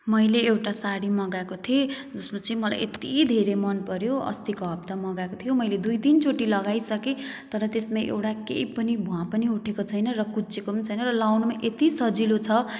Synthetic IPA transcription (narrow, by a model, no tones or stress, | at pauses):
mʌjleːwʈasaɽimʌɡakot̪ʰied͡zʌsmat͡sĩmʌla̰jʔet̪id̪ʱeɾemʌnpʌɾjoʌ̰st̪ikʌɦb̚t̪amʌɡakot̪ʰijomʌjled̪ujt̪int͡soʈilʌɡajsʌket̪ʌɾʌt̪esmaʔḛwʈakḛjpʌnibʱuwãpʌniuʈʰekot͡sʰʌjnʌrʌkut͡sekomʌnt͡sʰʌjnʌrʌlawnumaʔet̪isʌd͡zilot͡sʰʌ